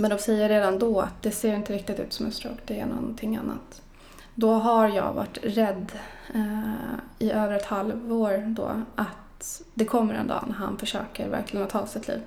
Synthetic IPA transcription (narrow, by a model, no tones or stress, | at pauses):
mɛnd̪ɔsɛjːəɾeːd̪and̪ɔa̰t̪̚d̪ɛseːɾɪnt̪əɾɪk̚t̪ɪt̪ʉ̟ːt̪sɔmhɵst̪ɾəɔkd̪ɛæɳɔ̰nt̪ʰɪŋːanːa̰t̪ | d̪ɔɦaɾjɑ̰ːɡva̰ʈːɾɛd̪ː | ɪʔøːvəɾɛt̪halvoːɾd̪ɔ̰ʔat̪d̪ɛkʰɔmːəɾɛ̰nd̪ɑ̰ːnæɾɦa̰nfœʂø̰ːkəɾvæ̰ɾkʰlɪɡənɔt̪ʰɑːsɪt̪lḭːv